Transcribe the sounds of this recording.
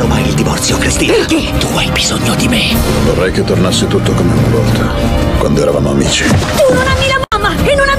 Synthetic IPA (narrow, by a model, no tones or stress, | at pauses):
noma̰jild̪ivɔ̰rt̪sjokɾist̪iːnit̪uajbizoɲːod̪imevorːɛjket̪ːornasːet̪ut̪ːokomeunnavɔlt̪ʰakwa̰nd̪oɛɾava̰moamḭːt͡ʃi̥t̪unonamːilamamːaenːonamː